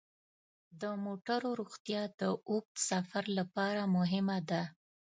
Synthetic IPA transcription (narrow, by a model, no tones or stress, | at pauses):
d̪əmoʈaɾoɾuɣt̪jɑd̪̥əʔuk̚t̪safaɾlapɑɾamʊɦɪmad̪a